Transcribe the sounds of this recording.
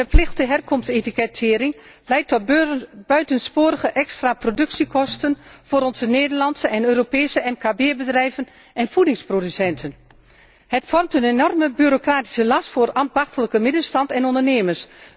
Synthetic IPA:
ərplɪxtəɦɛrkɔmstetikɛtʰɪːɾɪŋ | lɛjtɔt̚b̥œɥtənspoːɾəɣəʔɛkstraprodʏksikʰɔstənfoːɾɔnzəneːdərlɑnsəʔɛnøːropeːsəʔɛmkaːbeːbədrɛjvən | ɛnfudɪŋsprodysɛntʰən | hətfɔrmtənenɔrməbyɾokraːti̥səlɑstfʊːrɑnbɑxtələkəmɪdənstɑntɛnɔndərneːməs

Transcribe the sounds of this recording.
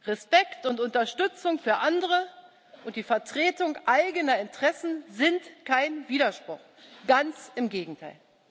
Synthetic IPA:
ʁɛspɛktʊntʊntɐʃtʏt͡sʊŋfyːɐʔandəʁə | ʔʊntd̥iːfɛɐtʁ̥eːtʊŋʔaɪɡənɐɪntʁ̥ɛsn̩zɪntkʰaɪnviːɾɐʃpʁ̥ʊχ | ɡ̥ant͡sɪmɡeːɡŋ̩tʰaɪl

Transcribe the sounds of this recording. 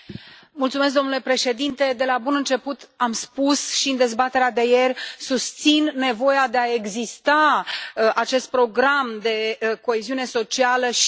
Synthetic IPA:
mult̪sumesk̚d̪o̞mnule̞pɾe̞ʃe̞d̪int̪e̞d̪e̞labunɨnt͡ʃe̞put̪amspusʃiɨnd̪e̞zbat̪e̞ɾead̪e̞je̞rʲsust̪sinːe̞vo̞jad̪e̞ae̞ɡzist̪aəʔat͡ʃe̞st̪̚pɾo̞ɡɾamd̪e̞ko̞eziune̞so̞t͡ʃialəʃ

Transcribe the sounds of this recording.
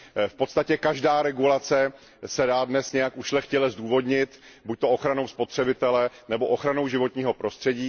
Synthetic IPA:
fpo̞t̪st̪acɛkaʒdaːɾɛɡulat͡sɛ | sɛdaːdnɛsɲɛjakuʃlɛxcɛlɛzduːvo̞dɲɪt̪buc̚t̪o̞oxɾanowspo̞t̪r̝̥ɛbɪt̪ɛlɛnɛbo̞ʔoxɾano̞wʒɪvo̞t̪ɲiːɦo̞pɾo̞st̪r̥ɛɟiː

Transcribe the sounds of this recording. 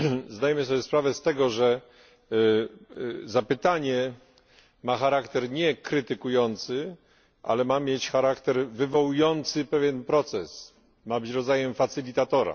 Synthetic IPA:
zd̪ajɛmɘsɔbʲjɛspɾavɛst̪ɛɡɔʐɛ | zapɘt̪aɲɛ | maxaɾakt̪ɛɾɲɛkɾɘt̪ɘkujɔnt̪sɘ | ʔa̰lɛmamʲjet͡ɕxaɾakt̪ɛɾvɘvɔwujɔnt̪sɘpɛvʲjɛnpɾɔt̪sɛs | mabɘt͡ɕɾɔd̪zajɛmfat̪sɘlʲit̪at̪ɔɾa̰

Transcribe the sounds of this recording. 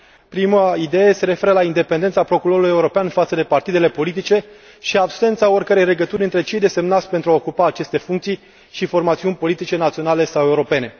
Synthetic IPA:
pɾiməid̪e̞jese̞ɾe̞fe̞ɾəlaind̪e̞pe̞nd̪e̞nt̪sapɾo̞kuɾo̞ɾuluje̞uɾo̞peanfat̪səd̪e̞part̪id̪e̞le̞po̞lit̪it͡ʃe̞ | ʃiabse̞nt̪saorʲkəɾe̞jle̞ɡət̪uɾʲɨnt̪ɾe̞t͡ʃe̞jd̪e̞se̞mnat̪sʲpent̪ɾuaokupaːt͡ʃe̞st̪e̞fuŋkt̪sij | ʃifo̞rmat̪siunʲpo̞lit̪it͡ʃe̞nat̪sio̞nale̞sawe̞uɾo̞pe̞ne̞

